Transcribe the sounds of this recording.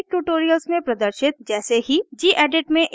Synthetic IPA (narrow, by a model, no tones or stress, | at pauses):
k̚ʈuːʈoːɾijəlsmẽpɾɐd̪əɾʃɪt̪̚d͡ʒɛːseɦid͡ʒiːʔɛːɖeʈmẽʔ